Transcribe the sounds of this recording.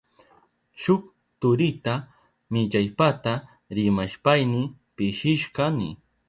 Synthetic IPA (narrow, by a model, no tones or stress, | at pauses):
t͡ʃʊk | t̪ʊɾɪt̪a | mɪʎajpat̪a | ɾɪmaʃpajnɪ | pɪʃɪʃkɑnɪ̰